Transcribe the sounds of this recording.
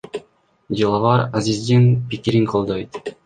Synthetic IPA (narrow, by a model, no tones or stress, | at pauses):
d͡ʒɯlˠɑvɑɾazizd̪inpikiɾiŋqʰolˠd̪ojt̪